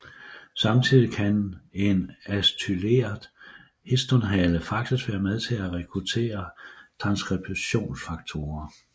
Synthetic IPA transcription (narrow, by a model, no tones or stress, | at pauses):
sɑ̈mt͡sʰið̰ˠikʰæne̝næst͡sʰyle̝̰ːɐðˠ | hesd̥onɦæləfɑ̈ɡ̥̚d̥isʋæːɐmeð̞ˠt͡sʰe̝læʁɛkʰʁut͡sʰe̝̰ːɐt͡sʰʁɑ̈nsɡ̥ʁɛb̥ʰɕo̝̰ːnsfɑ̈ɡ̥̚t͡sʰo̝ːɐ